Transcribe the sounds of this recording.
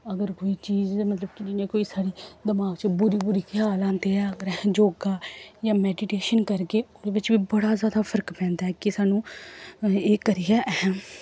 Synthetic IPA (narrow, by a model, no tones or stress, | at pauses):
əɡəɾkoːiːt͡ʃiːzmət̪ləbkɪd͡ʒɪnẽːkoːiːsaːɽiːd̪ɪmaːɡt͡ʃbʊɾiːbʊɾiːkʰɪaːlãːnt̪eɛːəɡəɾ̃d͡ʒoːɡaːjãːmɛːɖɪʈeːʃənkəɾkeːoːd̪ebɪt͡ʃʋiːbəɽaːzaːd̪aːpʰəɾəkpɛ̃ːnd̪aːɛːkɪsaːnũː | eːkəɾijaːʔɛɦə̃